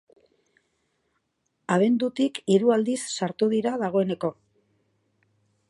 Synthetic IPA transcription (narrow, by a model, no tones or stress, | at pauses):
aβ̞e̞nd̪ut̪ikiɾuald̪isːaɾt̪uðiɾaðaɣ̞o̞e̞ne̞ko̞